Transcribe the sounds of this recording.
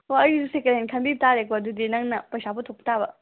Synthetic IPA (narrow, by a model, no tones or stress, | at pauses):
oɐjusekelenkʰɐnbib̚taɾekoɐdudinɐŋnɐpɐjsaputʰok̚pɐ̥tabɐ